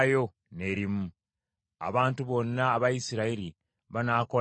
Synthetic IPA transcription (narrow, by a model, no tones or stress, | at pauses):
jo̞ | ne̞ːɾimu | a̰βaːntuβo̞nːaːβajisiɾaiɾi | βanaːko̞